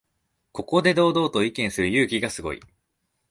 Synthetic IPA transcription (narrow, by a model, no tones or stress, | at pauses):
ko̞ko̞d̪e̞d̪o̞ːd̪o̞ːt̪o̞ikẽ̞ɰ̃sɨɾɯ̟jɯ̟ːkʲiɡasɨɡo̞̰ḭ